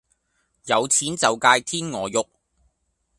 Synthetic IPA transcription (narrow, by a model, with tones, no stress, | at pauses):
jɐ˨˧wt͡sʰiː˨˥nt͡sɐ˨wkaː˧jt̪ʰiː˥nŋɔː˨˧jʊ˨k̚